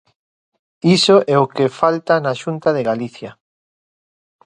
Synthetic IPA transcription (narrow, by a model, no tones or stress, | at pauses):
isoʔɛokefalt̪anaʃunt̪aðeɣaliθja